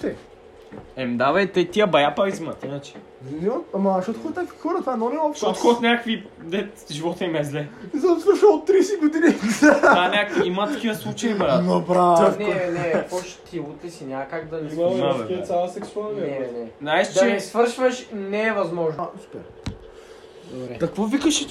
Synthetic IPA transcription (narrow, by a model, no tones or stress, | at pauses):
t̪ɛ | ɛmd̪avɐjt̪ət̪iəbɐjapɐɾizmət̪inət͡ʃɛ̥ | iziməɐmɐʃɔt̪oxɔt̪nʲakvixɔɾɐt̪vaɛnonɛɔfʃɔt̪xɔt̪nʲakkvid̪ɛt̪ʒivɔt̪ɛimɛzlɛzasvəɾʃəot̪ːɾijsɛɡod̪inisanʲakviimət̪ɐkivəslˠut͡ʃɐimɐɾanobɾanɛnɛkɔʃt̪ʰiut̪lʲisinʲamɐkaɡd̪ɐiamaɛiɐsʲalˠəsɛksualnɛɛnɛnaɛʃt͡ʃɛɛsvɤɾʃvəʃnɛːvɐzmɔʒnsu̥pɛɾ | d̪obɾɛk̪ɐkvɔvikəʃɛ